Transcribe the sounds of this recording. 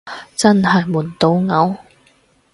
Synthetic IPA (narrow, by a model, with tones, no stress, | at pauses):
t͡sɐ˥nhɐ˨jmuː˨˩nt̪o˧wŋɐ˨˥w